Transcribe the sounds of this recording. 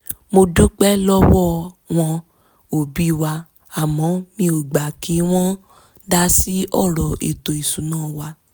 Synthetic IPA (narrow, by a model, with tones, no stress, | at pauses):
mo˧du˦k͡pɛ˦lɔ˦wɔ˦˨w̃ɔ̃˧ | o˨bi˦˨wa˧ | a˨mɔ̃˨˦mĩ˧o˨ɡ͡ba˨kʰi˨˦w̃ɔ̃˦ | da˧si˦ɔ˦˨ɾɔ˨ʔḭ˨to˨i˨sũ˨˦nãː˦˨wa˧